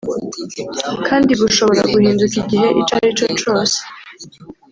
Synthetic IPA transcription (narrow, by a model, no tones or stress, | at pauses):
kʰaːndiβuʃo̞βo̞ɾa̰ɡuhiːnzukiɟiɦe̞ʔḭt͡ʃaɾit͡ʃo̞t͡ʃo̞ːse̥